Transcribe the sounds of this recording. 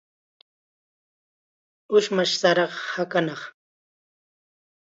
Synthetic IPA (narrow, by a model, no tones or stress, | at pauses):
ʊʃmaʃsaɾɑχhakanɑχ